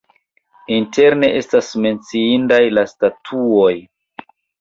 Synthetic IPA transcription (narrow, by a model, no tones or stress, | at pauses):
inte̞ɾne̞ʔe̞stasme̞nt͡siindajlastatʰuo̞j